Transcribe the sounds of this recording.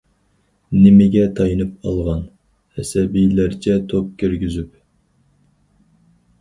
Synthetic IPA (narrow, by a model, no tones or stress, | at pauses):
nɪmɪɡʲɛt̪ʰɑjɨnɨp̚ɑ̰lˠʁɑn | hɛsɛbijlæɾt͡ʃʰɛt̪ʰop̚kʲʰøɾɡʲizyp̚